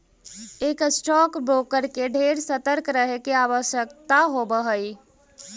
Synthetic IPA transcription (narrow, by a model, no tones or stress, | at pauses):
eksʈɔkbɾokəɾkeɖʱeɾsət̪əɾkɾəɦekeaβəsjəkt̪aɦobəɦəj